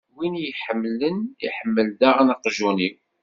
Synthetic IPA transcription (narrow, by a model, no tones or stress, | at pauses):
winjħəmːlənḭħəmːəld̪æʁnəqʒuniw